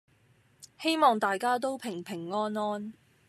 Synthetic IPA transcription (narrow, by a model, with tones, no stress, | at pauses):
he˥jmɔː˨ŋt̪aː˨jkaː˥t̪̬o˥wpʰɪ˨˩ŋpʰɪ˨˩ŋːɔː˥nɔː˥n